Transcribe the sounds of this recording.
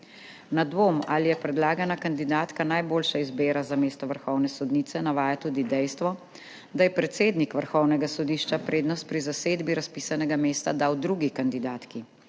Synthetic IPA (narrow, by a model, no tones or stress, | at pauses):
nad̪ʋomalijɛpɾɛd̪laːɡanakand̪id̪aːt̪kanajboːlʃaizbeːɾazameːst̪ɔʋəɾxɔwnɛsɔd̪niːt̪sɛnaʋaːjat̪uːd̪id̪ɛjst̪ʋɔ | d̪ajɛpɾɛt̪seːd̪nikʋəɾxɔwnɛɡasɔd̪iːʃt͡ʃapɾeːd̪nɔst̪̚pɾizaseːd̪biɾaspiːsanɛɡameːst̪ad̪aːwd̪ɾuɡikand̪id̪aːt̪ki